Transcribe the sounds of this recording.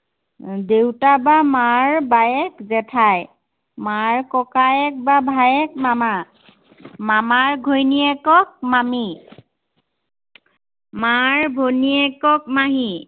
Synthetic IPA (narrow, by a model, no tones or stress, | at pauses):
dewtabamaɹbajɛkzɛtʰaj | maɹkɔkajɛk̚babʱajɛk̚mama | mamaɹɡʱojniɛkɔk̚mami | maɹbʱoniɛkɔk̚maɦi